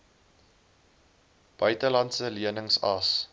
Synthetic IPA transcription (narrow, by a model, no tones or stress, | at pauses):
b̥œɥtəlɐntsəliənəŋsɐs